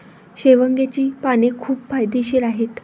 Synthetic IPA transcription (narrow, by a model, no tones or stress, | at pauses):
ɕeʋəŋɡet͡ɕiːpanekʰuːpfajd̪eɕiɾaɦet̪